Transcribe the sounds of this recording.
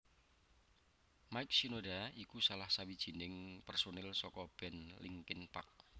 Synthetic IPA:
majk̚sinodaikusalahsawid̥ʒ̥i̤nɪŋpɛrsonɛlsɔkɔb̥ɛ̤nliŋkɪnpa̰k̚

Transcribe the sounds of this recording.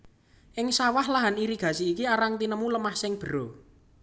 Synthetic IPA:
ʔɪŋsawahlaɦaniɾiɡ̥a̤siːkiaɾaŋt̪inəmuləmahsɪŋb̥ə̤ɾo

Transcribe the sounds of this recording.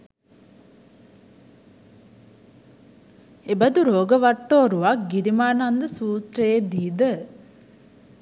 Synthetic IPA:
ebɐd̪uɾoːɡəʋaʈːoːɾuʋakɡiɾimaːnand̪əsuːt̪ɾəjed̪iːd̪ə

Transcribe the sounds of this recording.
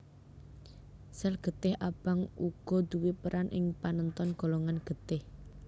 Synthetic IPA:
sɛlɡ̥ə̤t̪ɪhab̥aŋuɡ̥ɔ̤d̪̥uwipəɾʔanʔɪŋpanənt̪ɔnɡ̥o̤loŋanɡ̥ə̤t̪ɪh

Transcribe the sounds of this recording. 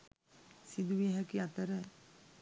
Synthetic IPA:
sid̪uʋiɦɛkiat̪əɾə

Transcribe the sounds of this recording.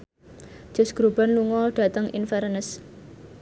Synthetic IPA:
ʒ̥ʊ̤sɡ̥ɾob̥anluŋɔɖ̥ä̤t̪əŋḭnfɛɾnəs

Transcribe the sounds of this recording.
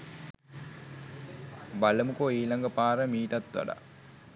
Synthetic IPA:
baləmukoiːlaŋɡəpaːɾəmiːʈat̪ʋa̰ɖa̰

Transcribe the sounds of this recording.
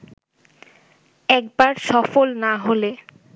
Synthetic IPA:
ɛk̚baɾʃɔfolnaɦole

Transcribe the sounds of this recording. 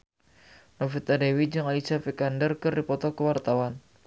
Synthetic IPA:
nofit̪adewid͡ʒɨŋalisafikandərkɨrdipɔt̪ɔkəwart̪awan

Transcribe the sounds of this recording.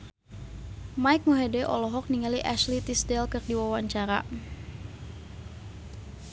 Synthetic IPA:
majk̚muɦedɛʔɔ̰lɔɦɔk̚niŋaliʔaʃlit̪isdɛlkɨrdiwawaɲt͡ʃaɾa̰

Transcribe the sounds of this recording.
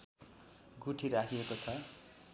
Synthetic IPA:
ɡuʈʰiɾakʰiekot͡sʰʌ

